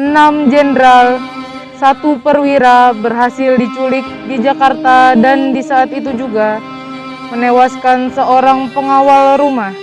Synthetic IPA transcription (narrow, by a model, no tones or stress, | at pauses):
ənamd͡ʒɛnɾal | sat̪upərwiɾabərɦasɪldit͡ʃulɪk̚did͡ʒakart̪adandisaːt̪it̪ud͡ʒuɡa | mənewaskansəoɾaŋpəŋawalɾumah